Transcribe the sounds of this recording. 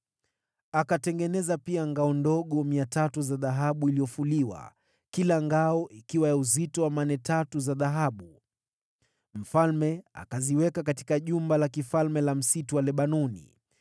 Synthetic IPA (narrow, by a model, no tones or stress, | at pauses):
akatɛŋɡɛnɛzapiaŋɡaɔndɔɠɔmiatatuzaðaɦaɓuilijɔfuliwa̰ | kilaŋɡaɔʔikiwajauzitɔwamanɛtatuzaðaɦaɓu | m̩falmɛa̰kaziwɛkakati̥kaʄumbalakifalmɛlam̩situwalɛɓanɔnḭ